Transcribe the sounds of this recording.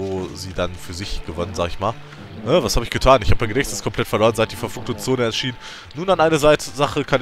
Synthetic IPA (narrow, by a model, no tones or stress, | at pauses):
oːziːdanfyːɐzɪçɡ̥əvɔnənzaːɡəɪçmaːl | nəvashaːbəɪçɡ̥ətʰaːnɪçhaːb̚ə̥maɪnɡənɛçstəskʰɔmpʰl̥ɛtfɛɐloːʁənzaɪt̚d̥iːfɛɐfuːk̚tʊŋt͡soːnəɛɐʃiːnən | nuːnanʔaɪnəzaɪtzaχəkʰan